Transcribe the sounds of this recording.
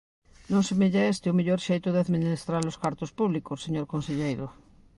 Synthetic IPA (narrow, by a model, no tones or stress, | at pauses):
nõnsemeʎaest̪eumeʎoɾʃejt̪oðeaðminest̪ɾaɾloskaɾt̪ospuβlikosːeɲoɾkonseʎejɾo